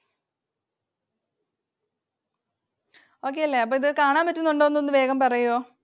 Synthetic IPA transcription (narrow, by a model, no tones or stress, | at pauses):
o̞ːk̬ːe̞jɐlːe̞ɐp̬ːoːiðɨkaːɳaːmpɐtːunːuɳɖoːʋnːonːɨʋe̞ːɣɐmpɐrɐjoː